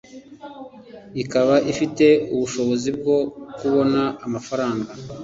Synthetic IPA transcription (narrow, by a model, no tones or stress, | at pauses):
ikaβaʔifite̞uβuʃo̞βo̞zib̚ɡo̞kuβo̞naːmafaɾaːŋɡa